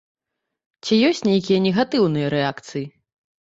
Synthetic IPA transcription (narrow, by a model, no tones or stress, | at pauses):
t͡sʲijɔsʲt͡sʲnʲejkʲijɐnʲɛɣat̪ɨwnɨjɐɾɛakt̪sɨji